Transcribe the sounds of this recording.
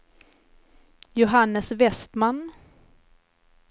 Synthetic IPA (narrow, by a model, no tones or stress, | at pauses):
jʊɦanːəsvɛst̪man